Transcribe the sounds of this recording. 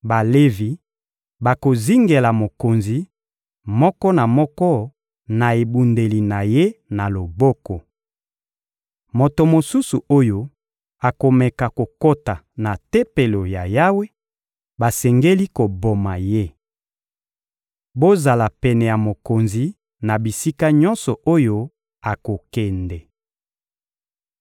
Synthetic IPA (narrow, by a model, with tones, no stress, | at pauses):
ba˨le˦vi˨ | ba˨ko˨zi˦ŋɡe˨la˨mo˨ko˨nzi˨ | mɔ˦kɔ˦na˨mɔ˦kɔ˦ | na˨e˨bu˨nde˨li˨na˨je˦na˨lo˨bɔ˦kɔ˨ | mo˨to˨mo˨su˦su˨o˦jo˦ | a˨ko˨mɛ˨ka˨ko˨ko˦ta˨ | na˨tɛ˦pe˨lo˨ja˨ja˦we˦ | ba˨sɛ˨ŋɡe˦li˦ko˨bo˨ma˨je˦ | bo˦za˨la˨pɛ˨nɛ˨ja˨mo˨ko˨nzi˨ | na˨bi˨si˦ka˦ɲɔ˦nsɔ˨ʔo˦jo˦ | a˨ko˨kɛ˨ndɛ˨